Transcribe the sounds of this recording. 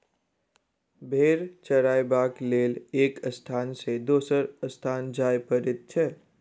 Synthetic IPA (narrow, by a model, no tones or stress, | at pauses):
bʱeːɾt͡ʃəɾaːjbaːkleːleːkəst̪ʰaːnsed̪oːsəɾəst̪ʰaːnd͡ʒaːjpəɾɪt̪̚t͡ʃʰɛː